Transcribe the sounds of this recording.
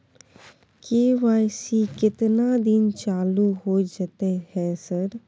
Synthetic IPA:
keːʋaːjsikɪt̪nad̪ɪnt͡ʃaːluɦod͡ʒat̪ehɛ̃ːsəɾ

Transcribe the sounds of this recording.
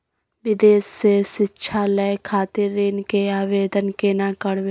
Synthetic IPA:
ʋɪd̪eːsseʃɪtːʃʰaləkʰaːt̪ɪɾːenkeaːʋeːd̪ənkenakəɽwe

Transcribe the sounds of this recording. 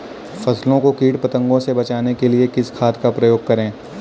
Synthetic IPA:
fɐslõkokiːʈpɐt̪ə̃ŋɡõsebɐt͡ʃaːnekeliekɪskʰaːt̪kapɾɐjoːɡ̚kɐɾẽː

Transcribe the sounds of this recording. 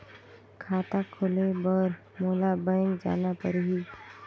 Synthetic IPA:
kʰaːt̪akʰʊlebəɾ | moːlabə̃ŋd͡ʒa̰ːnapəɾɦiː

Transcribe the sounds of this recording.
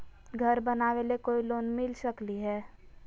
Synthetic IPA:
ɡʱəɾbənaːʋelekoːiloːnmɪlsəkliɦɛː

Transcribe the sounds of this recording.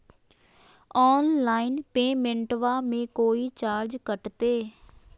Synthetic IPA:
ɔːnlaːinpeːmẽɳʈʋaːmẽːkoːiːt͡ʃaːɾd͡ʒkəʈt̪eː

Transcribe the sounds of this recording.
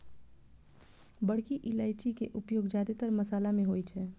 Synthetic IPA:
bəɽ̤kiʔilaɪʈikeʔupjoːɡd͡ʒad̪et̪əɾməsaːlamẽɦojt͡ʃʰɛ

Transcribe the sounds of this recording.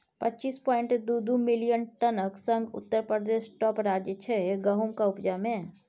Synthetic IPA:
pətːt͡ʃiːspɔːɪ̃ɳʈd̪ud̪umɪlijənʈənəksə̃ŋɡʊ̰t̪ːəɾpɾəd̪eːʃʈɔːpɾaːd͡ʒjət͡ʃʰɛɡəɦumkaʊpd͡ʒamẽ

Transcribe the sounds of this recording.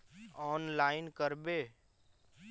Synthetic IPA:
ɔːnlaːɪnkəɾbeː

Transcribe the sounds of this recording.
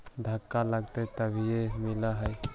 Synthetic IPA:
d̪ʱakːalaɡt̪et̪əbʱiemilaɦəj

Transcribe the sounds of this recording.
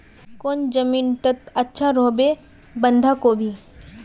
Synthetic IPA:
koːnd͡ʒəmiːnʈət̪ɐtːʃʰaɾoːbe | bə̃nd̪ʱakobʱiː

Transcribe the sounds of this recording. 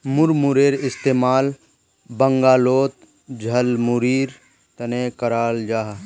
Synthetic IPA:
mʊɾmuɾeːɾɪst̪eːmaːl | bɐŋɡaːloːt̪̚ | d͡ʒʱɐlmuɾiːɾ | t̪ɐneːkɐɾaːld͡ʒaːɦ

